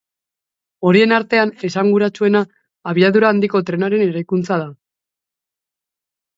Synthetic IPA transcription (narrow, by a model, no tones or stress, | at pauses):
o̞ɾie̞naɾt̪e̞ane̞saŋɡuɾat͡sue̞naː | βiaðuɾaːnd̪iko̞t̪ɾe̞naɾe̞ne̞ɾajkunt͡sað̞a